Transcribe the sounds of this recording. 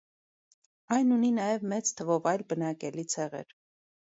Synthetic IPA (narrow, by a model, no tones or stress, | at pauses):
ɑjnuninɑjɛvmɛt͡sʰt̪ʰəvɔvɑjlbənɑkɛlit͡sʰɛʁɛ̰ɾ